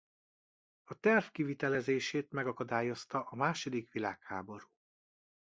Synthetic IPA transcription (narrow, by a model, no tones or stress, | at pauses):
ɒt̪ɛrvkivit̪ɛlɛzeːʃeːt̪mɛɡɒkɒd̪aːjo̞st̪ɒʔɒmaːʃo̞d̪ikʋilaːkhaːbo̞ɾuː